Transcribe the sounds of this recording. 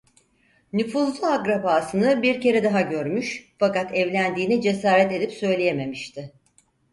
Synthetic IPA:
nyfuːzlˠuaɡɾapaːsɯnɯbiɾce̞ɾɛd̪aɦaɟø̞ɾmyʃfakat̪ɛvlʲænd̪iːnɛd͡ʒe̞saːɾɛt̪e̞d̪ipsø̞jlʲejeme̞miʃt̪ʰɪ

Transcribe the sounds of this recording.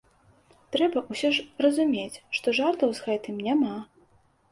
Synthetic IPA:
t̪ɾɛbɐʔusʲɔʂrɐzumʲet͡sʲʂt̪ɔʐart̪ɐwzɣɛt̪ɨmnʲama

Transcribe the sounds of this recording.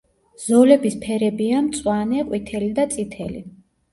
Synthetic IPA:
z̥ɔlɛbispʰɛɾɛbiamt̪sʼwanɛqʼwit̪ʰɛlid̪at̪sʼit̪ʰɛlḭ

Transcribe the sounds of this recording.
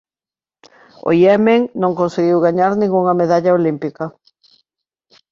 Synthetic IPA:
o̰iɛmeŋnõŋkõnseɣiwɣaɲaɾnĩŋɡuŋɐmeðaʎaolimpikɐ

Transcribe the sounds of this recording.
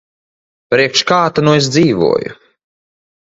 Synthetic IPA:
pɾiɛkʃkaːt̪anuesd̪ziːvṵɔjṵ

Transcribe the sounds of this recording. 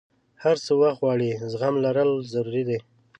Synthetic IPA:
haɾsəwaxt̪wɑɽizɣamlaɾəlzaɾuɾid̪e

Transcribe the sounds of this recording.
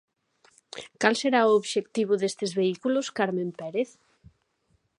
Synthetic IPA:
kalseɾaooβʃek̚t̪iβ̞ʊðest̪ezβeikulʊskaɾmẽmpɛɾeθ

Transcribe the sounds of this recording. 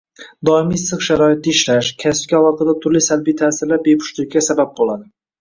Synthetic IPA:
d̪ɒɪmijsɨqʃaɾɒɪt̪̚ːɪɪʃlaʃkʲʰasɪ̥p̚kʲaɒlˠɒt̪ʰɨd̪at̪ʰʊɾlisalbijt̪ʰaːsɪɾlaɾbe̞pʰʊ̥ʃt̪ɪk̚ʲːasabap̚bolˠad̪ɪ

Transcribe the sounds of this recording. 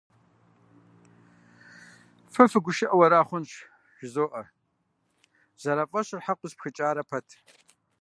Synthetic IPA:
fɨfɨɡʷʊʃɪʔɐwɐɾaːχʷʊnɕ | ʒ̥ɪzoːʔɐ | z̥ɐɾɐfʼɐɕɪrħaqʷʊzpxɨt͡ʃʼaːɾɐpʰɐtʰ

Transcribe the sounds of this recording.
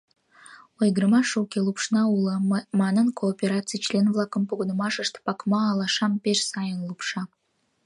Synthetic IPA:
ojɡəɾmɑʃukʲelˠupʃnɑulˠəmɑnənkʰoːpʲeɾɑtt͡sɨjt͡ɕlʲenvlˠɑkəmpuɡŏnə̆mɑʃəʃt̪pɑkmɑːlˠɑʃɑmpeʃsɑjənlˠupʃɑ

